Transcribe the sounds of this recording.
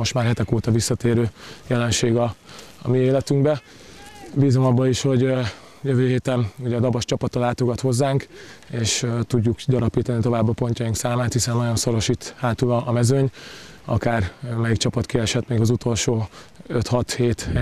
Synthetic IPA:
mo̞ʃt̪maːrɦɛt̪ɛkoːt̪ɒvisːɒt̪eːɾøːjɛlɛnʃeːɡɒ̰ːmieːlɛt̪yŋɡbɛ | biːzo̞mɒbːɒiʃho̞ɟ | jøvøːɦeːt̪ɛnuɟɛɒd̪ɒbɒʃt͡ʃɒpɒt̪ɒlaːt̪o̞ɡɒt̪ho̞zːaːŋkeːʃt̪uɟːukdɒɾɒpiːt̪ɒnit̪o̞vaːbːɒpo̞ɲcɒiŋksaːmaːt̪hisɛnːɒɟo̞nso̞ɾo̞ʃit̪haːt̪ulɒːmɛzøɲ | ɒ̰kaːrmɛik̚t͡ʃɒpɒt̪kiɛʃɛt̪meːɡɒzut̪o̞lʃoːøt̪hɒt̪heːt̪

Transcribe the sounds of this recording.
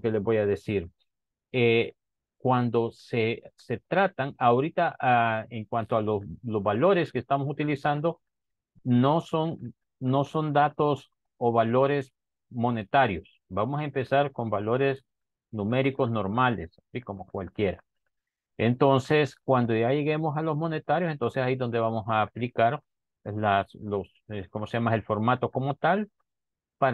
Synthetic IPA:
kele̞zbo̞jaðe̞siɾ | e | kwand̪o̞sese̞t̪ɾat̪aŋaoɾit̪aeŋkwant̪oalolo̞zβalo̞ɾe̞skeːst̪amo̞sut̪ilisand̪o̞ | noson | no̞so̞nd̪at̪o̞s | oβalo̞ɾe̞s | mo̞ne̞t̪aɾjo̞s | bamosaempe̞saɾko̞mbalo̞ɾe̞s | nume̞ɾiko̞zno̞ɾmalessiko̞mokwalkje̞ɾa | ent̪o̞nse̞skwand̪o̞ʝaje̞ɣemo̞salo̞zmo̞ne̞t̪aɾjosent̪onsesajiðo̞nd̪e̞βamo̞saːplikaɾ | laslos | ekomoseʝamaelfo̞ɾmat̪o̞ko̞mot̪al | pa

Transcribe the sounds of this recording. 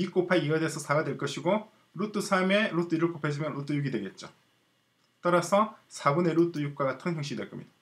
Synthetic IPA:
ik͈opʰaiɡadesʰʌsʰaɡadweɭk͈ʌɕʰiɡo | ɾut͈usʰame̞ɾut͈uiɾɯɭk͈opʰed͡ʑimjʌnɾut͈ujuɡidwe̞ɡe̞t̚t͡ɕ͈o | t͈ʌɾasʰʌsʰabune̞ɾut͈ujuk̚k͈waɡatʰɯŋçjʌŋɕiɡidweɭk͈ʌmɲida

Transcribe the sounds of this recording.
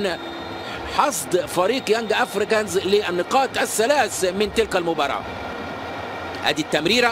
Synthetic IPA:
n | ħɑsˤd̪fæɾiːqjæŋɡʔæfɾɪkænzlɪʔænːɪqɑːt̪ʔæsːælæːsmɪnt̪ɪlkælmʊbɑɾˤɑ̰ː | hæ̰ːd̪it̪ːæmɾiːɾ

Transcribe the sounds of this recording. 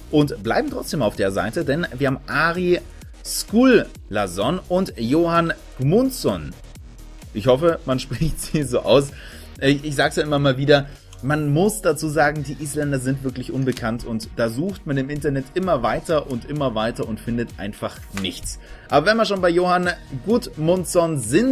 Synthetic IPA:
ʔʊntb̥la̰ɪbm̩tʁ̥ɔt͡sd̥eːmaʊfd̥eːɐza̰ɪtədɛnviːɐhaːmʔaːʁi | skuːlː | azɔnʔʊntjoːhan | ɡ̥munsɔn | ʔɪçhɔfəmanʃpʁ̥ɪçtz̥iːzoːʔa̰ʊs | ʔɪçz̥aːɡəsjaʔɪmɐmaːlviːdɐ | manmʊsd̥at͡suːzaːɡŋ̩diːʔiːslɛndɐzɪntv̥ɪɐklɪçʔʊnbəkʰantʰʊntd̥aːzuːxtmandeːmɪntɐnɛtʔɪmɐvaɪtɐʔʊntʔɪmɐvaɪtɐʊntfɪndətʔa̰ɪnfaχ | nɪçt͡sʔaːbɐvɛnmiːɐʃoːnbaɪjoːhanɡutmʊnt͡sɔnzɪn

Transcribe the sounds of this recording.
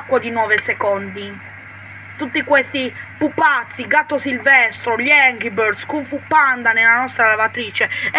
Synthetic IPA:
kːwad̪inɔːvesekɔnd̪i | t̪ut̪ːikwest̪ipupːat̪sːiɡat̪ːosilvɛst̪ɾoʎɛŋɡibɔɾd̪skuɱfupːand̪anelanɔst̪ɾalavat̪ɾiːt͡ʃe

